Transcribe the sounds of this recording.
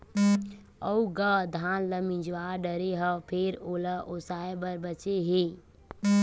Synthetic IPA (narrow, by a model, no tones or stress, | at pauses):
əuɡəd̪ʱaːnləmĩd͡ʒʋaɾɖəɾeɦəpʰeɾoːləʔosaːebəɾbət͡ʃeɦe